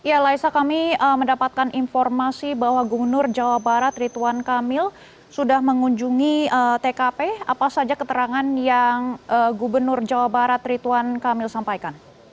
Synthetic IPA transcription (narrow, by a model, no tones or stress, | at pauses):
jalaisakamiəmːəndapat̪̚kaninfɔrmasibahwaɡubərnʊrd͡ʒawabaɾat̪rit̪uankamɪl | sudahməŋuɲd͡ʒuŋiət̪ekapea̰pasad͡ʒakət̪əɾaŋanjaŋʔəɡubərnʊrd͡ʒawabaɾat̪rit̪uankamɪlsampajkan